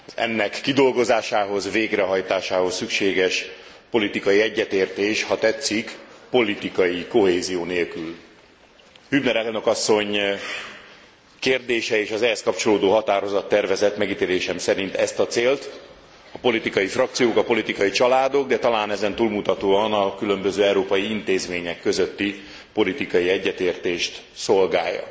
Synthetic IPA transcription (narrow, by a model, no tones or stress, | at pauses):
zɛ̰nːɛkːid̪o̞lɡo̞zaːʃaːɦo̞zveːɡrɛɦɒjt̪aːʃaːɦo̞sːykʃeːɡɛʃ | po̞lit̪ikɒjiɛɟːɛt̪eːrt̪eːʃhɒt̪ɛt̪sːikpo̞lit̪ikɒjiko̞ɦeːzijoːneːlkyl | hybnɛɾɛlno̞kɒsːo̞ɲ | keːrd̪eːʃɛeːʃɒzɛɦɛskɒpt͡ʃo̞loːd̪oːɦɒt̪aːɾo̞zɒt̪ːɛrvɛzɛt̪mɛɡit̪eːleːʃɛmsɛɾint̪ɛst̪ɒt̪seːlt̪ | ɒpo̞lit̪ikɒjifrɒkt̪sijoːkɒpo̞lit̪ikɒjit͡ʃɒlaːd̪o̞ɡ̚d̪ɛt̪ɒlaːnɛzɛnt̪uːlmut̪ɒt̪oːɒnɒkylø̞mbøzøːɛuɾoːpɒjiint̪eːzmeːɲɛkːø̞zøt̪ːi | po̞lit̪ikɒjiɛɟːɛt̪eːrt̪eːʃt̪ | so̞lɡaːjːɒ̰